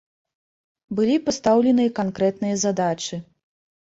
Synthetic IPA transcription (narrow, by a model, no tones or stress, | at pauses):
bɨlʲipast̪awlʲɛnɨjɐkankɾɛt̪nɨjɐzad̪at͡ʂɨ